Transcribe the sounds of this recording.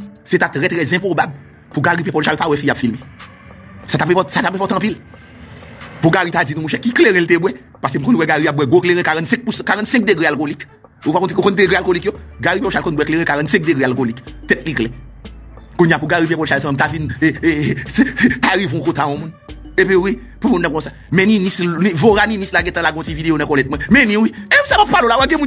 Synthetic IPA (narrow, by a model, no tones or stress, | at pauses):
set̪at̪ʁɛt̪ʁɛzɛ̃pʁobabl | puɡaʁipɛ̃polʃalpawɛfijabfilme | sat̪apɛ̃pɔtsat̪apɛ̃p̬ɔt̪ɐ̃pil | puɡaɣit̪ad͡zinũmũʃɛkːikleɣɛ̃lt̪ebwɛ | pas̬em̩kɔ̃nwɛɡaɣijap̚bwɛɡokleɣɛ̃kaʁɐ̃t̪sɛ̃k̚puskaʁɐ̃t̪sɛ̃k̚d̪eɡealkolik | opakɔ̃t̪eokɔ̃nd̪eɡʁealkolikjoɡaɣipjɛpoʃalkɔ̃nbwɛkleɣɛ̃kaʁɐ̃t̪sɛ̃k̚d̪eɡʁealkolikt̪ɛt̪̚liklɛ | kũɲjapũɡaɣip̬jɛ̃kɔlʃals̬ãmɛ̃m̩tavin | taɣiṽɔ̃kõt̪aɔ̃mũn | epiwi | pumũnːɐ̃kɔ̃sa | mɛ̃ninisnĩvoɾaninislaɡɛ̃t̪ɐ̃laɡ̃ɔ̃tivid̪ejonɐ̃kɔlɛt̪̚mwɛ̃mɛ̃nĩwiesakappalolawaɡɛ̃mũn